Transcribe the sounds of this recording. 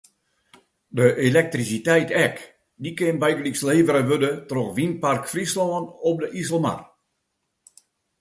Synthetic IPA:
dəʔelɛk̚trisitɛjtɛk | dikɪnbɛjɡliksleːvəɾəʋødətroxʋinparkfrisloənɔp̚dəʔisəl̩ˠma̰r

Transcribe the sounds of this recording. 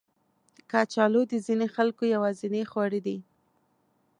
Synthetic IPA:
kɑt͡ʃɑlod̪əzinexalkojawɑzɪnexwɑɽid̪i

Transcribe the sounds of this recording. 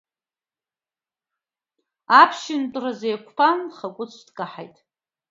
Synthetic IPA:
apʰʃɪntʼrazejkʷʰpʰanχakʷʼʊt͡sʰdkʼaħa̰jtʼ

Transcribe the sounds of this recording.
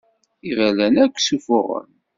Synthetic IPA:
ivælænækʷːsufʊʁə̰m

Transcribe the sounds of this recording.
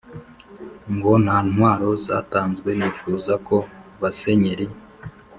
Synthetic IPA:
ŋɡo̞n̥haːnwaːɾo̞za̰ːtaːnzɡwe̞niːfuːzako̞βase̞ɲeɾi

